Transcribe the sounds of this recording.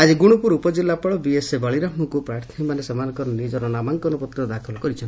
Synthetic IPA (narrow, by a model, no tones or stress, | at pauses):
ad͡ʒiɡuɽ̃upuɾupɔd͡ʒilːapɔɭɔbiesebaɭiɾaɦmɔkupɾaɾt̪ʰnimanesemanɔkɔɾɔnid͡ʒɔɾɔnamaŋkɔnupɔt̪ɾɔd̪akʰɔlkɔɾit͡ʃʰɔn